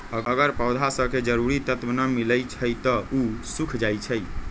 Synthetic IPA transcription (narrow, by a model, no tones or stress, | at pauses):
əəɡəɾpəwd̪ʱasəbked͡ʒəɾuɾit̪ət̪mənəmːiləjt͡ʃʰəjt̪ɔusukʰd͡ʒajt͡ʃʰəj